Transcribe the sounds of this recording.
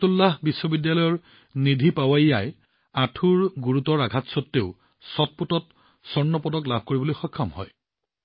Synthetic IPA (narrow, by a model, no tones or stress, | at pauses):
tulːaɦbisːɔbidjalɔjɔɹ | nidʱipawajjaj | atʰuɹɡuɹutɔɹaɡʱatsɔtːeʊ | sɔt̚putɔt | sɔɹnɔpɔdɔklab̚ʱkoɹibolojxɔkʰːɔmɦɔ̰j